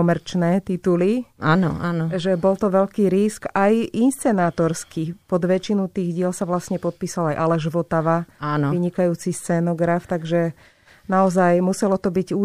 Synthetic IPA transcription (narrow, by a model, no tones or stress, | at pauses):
ɔmɛɾt͡ʃnɛːt̪it̪uliaːnɔ̰aːnɔʒɛbɔlt̪ɔʋɛʎkiːɾiskajinst͡sɛnaːt̪ɔɾskipɔd̪ʋɛt͡ʃinut̪iːɣɟɪɛlsaʋlasɲɛpɔt̪̚piːsalajʔalɛʒʋɔt̪aʋaaːnɔʋiɲikajuːt͡sist͡sɛnɔɡɾaft̪aɡʒɛ | naɔzajmusɛlɔt̪ɔbiɟu